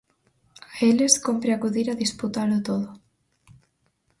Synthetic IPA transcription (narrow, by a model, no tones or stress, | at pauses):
aeleskompɾeakuðiɾaðisput̪alot̪oðo